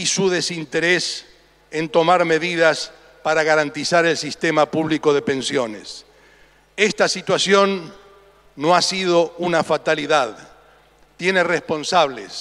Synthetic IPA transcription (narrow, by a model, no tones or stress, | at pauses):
isuðe̞sint̪eɾes | ent̪o̞maɾme̞ðiðas | paɾaɣaɾant̪isaɾe̞lsist̪emapuβliko̞ðe̞pe̞nsjonḛs | est̪asit̪wasjo̞nː | oasiðounafat̪aliðað | t̪je̞nerespo̞nsaβ̞lḛs